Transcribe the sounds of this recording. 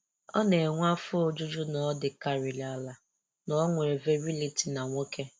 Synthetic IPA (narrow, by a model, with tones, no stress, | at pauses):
ɔ̰˦ne˨ŋʷa˦fʊ˦o˦d͡ʒʊ˦d͡ʒʊ˦nɔ˨˦dɪ˨ka˨ɾɪ˨la˦˨la˨ | nɔ˨ɔ˦ŋʷe˨ɾe˨ve˦ɾi˦li˨ti˨na˨ŋʷo˦ke˦